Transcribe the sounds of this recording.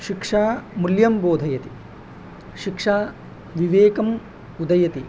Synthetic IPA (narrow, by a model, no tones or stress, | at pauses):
ʃikʂaːmuljɐmboːd̪ʱɐjɐt̪i | ʃikʂaː | ʋiʋeːkɐm | ud̪ɐjɐt̪i